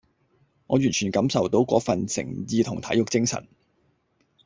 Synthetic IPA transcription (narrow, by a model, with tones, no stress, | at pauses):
ŋɔː˨˧jyː˨˩nt͡ʃʰyː˨˩nkɐ˨˥msɐ˨wt̪o˨˥wkɔ̰ː˨˥fɐ˨nsɪ̰˨˩ŋjiː˨˧t̪ʰʊ˨˩ŋt̪ʰɐ˨˥jʊ˨k̚t͡sɪ˥ŋsɐ̰˨˩n